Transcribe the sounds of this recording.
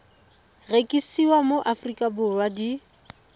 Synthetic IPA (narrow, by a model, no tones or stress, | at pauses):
rekʼisiwamoʔafrikʼabʊrwadi